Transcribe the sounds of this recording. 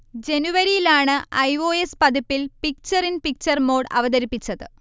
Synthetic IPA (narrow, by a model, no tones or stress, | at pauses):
d͡ʑe̞nuʋɐɾijilaːɳɨʔɐjʋoːespɐd̪ipːilpik̚t͡ɕɐrinpik̚t͡ɕɐrmo̞ːɽɐ̰ʋɐd̪ɐɾipːit͡ɕːɐðɨ